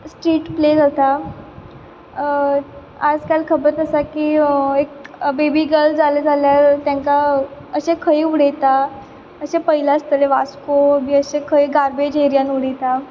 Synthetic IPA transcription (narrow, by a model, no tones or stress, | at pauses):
sʈɾiːʈpled͡zat̪a | ad͡zkalkʰəbɾət̪əsakiːekbebiːɡəld͡zaled͡zʱaljaɾt̪jãŋkaəɕekʰəjuɽ̤ejt̪a | əɕepəɦilast̪əleʋaskomiːəɕekʰəjɡaɾbed͡ʑɦeɾjanuɽejt̪a